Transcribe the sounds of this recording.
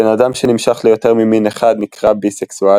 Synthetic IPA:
enadamʃenimʃaχlejo̞te̞ʁmimineχad̪nikʁabiseksua

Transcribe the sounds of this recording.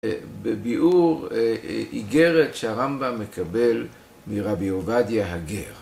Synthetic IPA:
bebiʔuʁʔiɡeʁetʃehaʁambamːekʰabe̞l | miʁabiovadjaɦaɡeʁ

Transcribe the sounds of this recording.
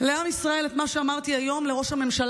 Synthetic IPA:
le̞amisʁae̞let̪maʃe̞amaʁt̪iajo̞mle̞ʁo̞ʃhame̞mʃal

